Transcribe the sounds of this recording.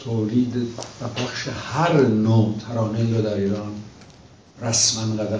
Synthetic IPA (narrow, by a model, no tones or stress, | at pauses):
t̪ʰoːliːd̪væbʰæxʃehæɾnoːt̪ʰæɾɒːnelɾod̪æɾiːɾɒːn | ɾæsmænɡæd̪æ